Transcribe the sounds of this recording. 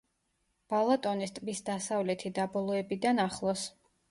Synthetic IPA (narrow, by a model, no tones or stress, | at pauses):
b̥alˠat̪ʼɔnist̪ʼbisd̪asavlɛt̪ʰid̪abɔlˠɔɛbid̪anaχlˠɔs